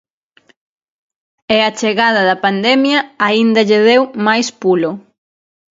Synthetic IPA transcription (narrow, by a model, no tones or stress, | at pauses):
eat͡ʃeɣað̞ɐðɐpand̪ɛmjɐːind̪ɐʎeð̞ewmajspulʊ